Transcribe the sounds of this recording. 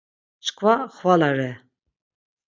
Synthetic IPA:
t͡ʃkʰvaχvalaɾɛ

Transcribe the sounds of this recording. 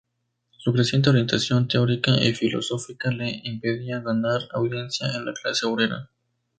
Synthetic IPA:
sukɾesjent̪eo̞ɾje̞nt̪asjo̞nt̪eo̞ɾikaʔifilo̞̰so̞fikale̞ʔimpe̞ðiaɣanaɾawðje̞nsjaenlaklaseoβɾeɾa̰

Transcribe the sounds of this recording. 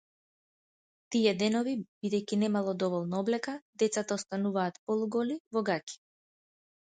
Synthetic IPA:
t̪ijɛd̪ɛnɔvibid̪ɛjkinɛmalˠɔd̪ɔvɔlˠnaɔblɛkad̪ɛt̪sat̪aɔst̪anuvaːt̪pɔlˠuɡɔlivɔɡacʲi̥

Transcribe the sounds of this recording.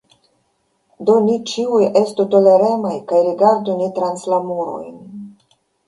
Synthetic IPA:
d̪o̞nit͡ʃiuje̞st̪ut̪o̞le̞ɾe̞majkajɾiɡaɾdunit̪ɾanslamuɾo̰jn

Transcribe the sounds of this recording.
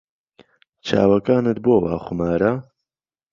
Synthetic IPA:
t͡ʃʰa̰ːwɐkaːnɨt̪̚boːwa̰ːχʷʊmaːɾa

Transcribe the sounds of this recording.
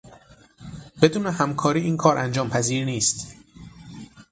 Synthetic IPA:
b̥e̞d̪uːnehæmkʰɒːɾiːʔiːnkʰɒːɾʔænd͡ʒɒːmpʰæziːɾniːst̪

